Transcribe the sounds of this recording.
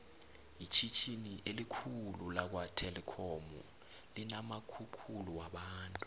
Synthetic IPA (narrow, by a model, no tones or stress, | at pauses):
jit͡ʃʰit͡ʃʰiniʔelikʰululak̬watʰɛlɛkʰɔmṵ | linamakʰukʰuluwaɓaːntʼu